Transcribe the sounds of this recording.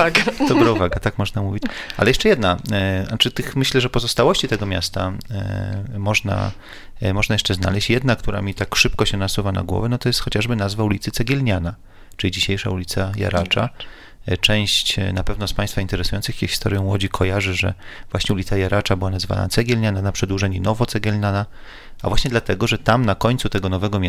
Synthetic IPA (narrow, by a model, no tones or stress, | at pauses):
aɡd̪ɔbɾauvaɡat̪akmɔʐnamuvʲit͡ɕʔa̰lɛjɛʂt͡ʂɛjɛd̪naat͡ʂɘt̪ɘxmɘɕlɛʐɛpɔzɔst̪awɔɕt͡ɕit̪ɛɡɔmʲjast̪a | mɔʐna̰ | mɔʐnajɛʂt͡ʂɛzna̰lɛɕt͡ɕjɛd̪nakt̪uɾa̰mʲit̪akʂɘpkɔɕɛnasuvana̰ɡwɔ̰vɛnɔt̪ɔjɛst̪xɔt͡ɕaʐbɘnazvaulʲit̪sɘt̪sɛɡʲɛlɲana | t͡ʂɘlʲid͡ʑiɕejʂa̰ulʲit̪saja̰ɾʔat͡ʂa | t͡ʂɛ̃w̃ɕt͡ɕnapɛvnɔspaj̃st̪faint̪ɛɾɛsujɔnt̪sɨxʲɛxʲi̥st̪ɔ̰ɾʲjɔ̃mwɔd͡ʑikʰɔjaʐɘʐɛ̰vwaɕɲɛulʲit̪sajaɾat͡ʂabɘwanazva̰na̰t̪sɛɡʲɛlɲananapʂɛd̪wuʐɛɲinɔvɔt̪ɛɡʲɛlɲana | avwaɕɲɛd̪lat̪ɛɡɔʐɛt̪amnakɔɲt̪sut̪ɛɡɔnɔvɛɡɔmʲ